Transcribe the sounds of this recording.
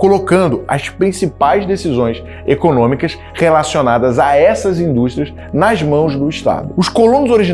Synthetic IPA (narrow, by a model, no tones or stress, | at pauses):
kolokɐ̃nd̪ʊɐ̰spɾĩsipajzd̪esizõj̃s | ekonõmikɐs | χelasionad̪ɐzaɛsɐzĩnd̪uʃt̪ɾiɐsz | nɐzmɐ̃w̃zd̪ʊiʃt̪a̰d̪ʊʊskolũnʊzoɾiʒi